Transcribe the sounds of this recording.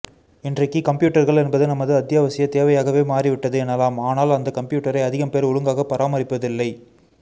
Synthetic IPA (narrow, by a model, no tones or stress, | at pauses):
ɪndrɐkːɯkɐmpjuːʈːɐɾɣɐɭɛnbɐðɯnɐmːɐðɯɐt̪ːɪjaːʋɐsɪjɐt̪eːʋɐjaːɣɐʋeːmaːriʋɪʈːɐðɯɛnːɐlaːmaːnaːlɐnd̪ɐkɐmpjuːʈːɐɾɐɪɐðɪɣɐmpeːɾʊɻɯŋɡaːɣɐpɐɾʔaːmɐɾɪpːɐðɪlːɐɪ